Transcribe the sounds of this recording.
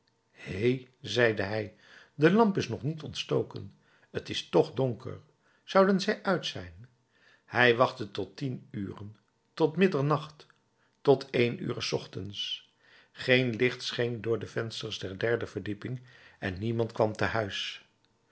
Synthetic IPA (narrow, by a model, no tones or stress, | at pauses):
hejzɛjdəɦɛj | dəlɑmpɪsnɔχnitɔntstowkə̰n | ətɪstɔχdɔŋkə̰ɹ | z̥ɑwdənzɛjʔœɥtsɛjn | hɛjʋɑχtətɔtinyːrən | tɔtmɪdəɹnɑχtː | ɔtʰejny̰ːrəsɔχtəns | χejnlɪχtsχeŋdʊːɹdəvɛnstəɹzdɛɹdɛɹdəvəɹdipɪŋɛnːimɑntkʋɑmtəɦœɥs